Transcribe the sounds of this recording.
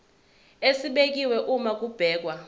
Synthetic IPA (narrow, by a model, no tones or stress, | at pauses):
esiɓek̬iwɛʔumak̬ub̥ʱɛːk̬wa